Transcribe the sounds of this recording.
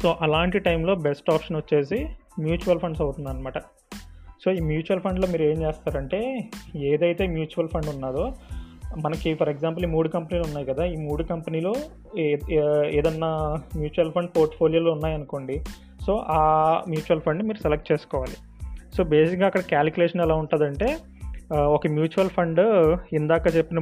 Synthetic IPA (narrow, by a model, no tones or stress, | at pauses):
so̞ːʔɐlaːɳʈiʈɐjmlo̞ːbesʈaːpʂɐnʋɐt͡ʃːe̞ːs̬i | mjuːt͡ʃuʋɐlpʰɐɳɖs̬ɐwut̪und̪aɾɐnɐmaːʈɐ | so̞ːiːmjuːt͡ʃuʋɐlpʰɐɳɖloːmiːɾeːmt͡ʃeːst̪aːɾɐɳʈe̞ːeːd̪ɐjt̪e̞ːmjuːt͡ʃuʋɐlpʰɐɳɖunːaːɾoː | mɐnɐkipʰɐɾeɡzaːmp̬ɐlimuːɽukɐmpɐniːlunːaːjikɐd̪aːiːmuːɽukɐmpɐniːloː | eːd̪ɐnːamjuːt͡ʃuʋɐlpʰɐɳɖpoːɾʈpʰo̞ːlijoːloːunːaːjɐnuko̞ːɳɖi | so̞ːʔaːmjuːt͡ʃuʋɐlpʰɐɳɖmiːɾusɛlek̚ʈ̚t͡ʃeːsu̥kɔːʋaːli | so̞ːbe̞ːsikɡaːkːɐɽɐkaːlkjuleːʂɐnɛlaːuɳʈund̪ɐɳʈe̞ː | ɔkɐmjuːt͡ʃuʋɐlpʰɐɳɖind̪aːkaːt͡ʃepːinɐ